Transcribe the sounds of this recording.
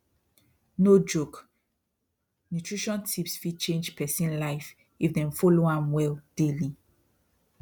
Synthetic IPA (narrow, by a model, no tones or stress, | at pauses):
nod͡ʒok | nutʰɹiʃɔ̃ntʰipsfit͡ʃẽnd͡ʒpʰɛsĩnlaɪf | ifdɛ̃mfɔloãmwɛld̥eli